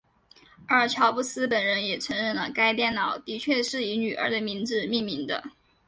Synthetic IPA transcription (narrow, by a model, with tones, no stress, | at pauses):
ə˞˥˩t͡ɕʰjɑ˧˥ʊpu˥˩sɹ̩˥p̬ə˨˩nɻə˧˥njɛ˨˩ʈ͡ʂʰɤ˧˥ŋɻə˥˩nlə˩ka˥ɪt̪jɛ˥˩nnɑ˨˩˦ʊt̪i˧˥t͡ɕʰɥɛ˥˧ʂɻ̩˥˩i˧˥ny˨˩ʔə̰˞˧˥d̪ə˧mi˧˥ŋd͡zɻ̩˧mi˥˩ŋmi˧˥ŋd̪ə̰˧